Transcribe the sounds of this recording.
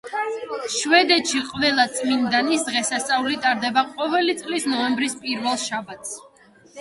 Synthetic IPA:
ʃvɛd̪ɛt̪ʃiqʼvɛlˠat̪sʼmind̪anisd̪ʁɛsast̪sʼaulit̪ʼaɾd̪ɛbaqʼɔvɛlit̪sʼlisnɔɛmbɾispʼiɾvɛlˠʃabat̪ʰs

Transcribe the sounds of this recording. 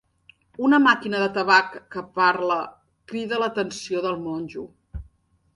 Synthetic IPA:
unəmakinəðət̪əβakːəpaɾlə | kɾiðələt̪ənsioðəlˠmonʲʒu

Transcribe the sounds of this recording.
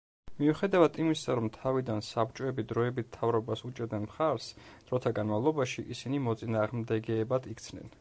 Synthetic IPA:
miuχɛd̪avad̪imisaɾɔmt̪ʰavid̪ansapt͡ʃʼɔɛbid̪ɾɔɛbit̪̚ʰt̪ʰavɾɔbasut͡ʃʼɛɾd̪nɛnmχaɾsd̪̥ɾɔt̪ʰaɡanmalˠɔbaʃiʔisinimɔt̪sʼinaːʁmd̪ɛɡɛːbad̪ʰikt̪sʰnɛ̰n

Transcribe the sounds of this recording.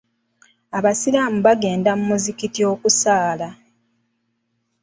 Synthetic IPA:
aβasilamuβaɡe̞ːndamumuzikitio̞ːkusaːla

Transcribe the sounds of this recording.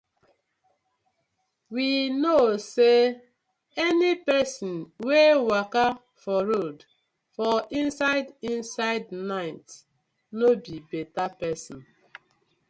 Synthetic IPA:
winose | ɛnipɛsɔ̃nwewaka | fɔɾod | fɔĩnsaɪdĩnsaɪdnaɪt | nobibetapɛsɔ̃n

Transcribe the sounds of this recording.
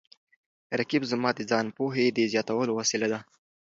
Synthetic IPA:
ɾakibzmɑd̪ed͡zɑnpoɦed̪əzjɑt̪awəlowasilad̪a

